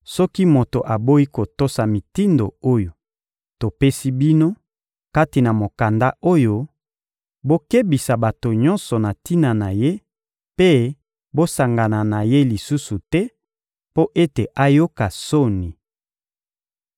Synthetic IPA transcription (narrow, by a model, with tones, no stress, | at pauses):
sɔ˦ki˦mo˨to˨ʔa˨bo˦i˦ko˨to˦sa˨mi˨ti˦ndo̰˨o˦jo˨ | to˨pe˦si˦bi˦no˦ | ka˦ti˨na˨mo˨ka˨nda˦ʔo˦jo˦ | bo˦ke˦bi˨sa˨ba˨to˨ɲɔ˦nsɔ˨na˨ti˦na˨na˨je˦ | pe˦ | bo˦sa˨ŋɡa˨na˨na˨je˦li˨su˦su˨tɛ˦ | po˦ʔe˦te˨ʔa˦jo˦ka˨so˦ni˨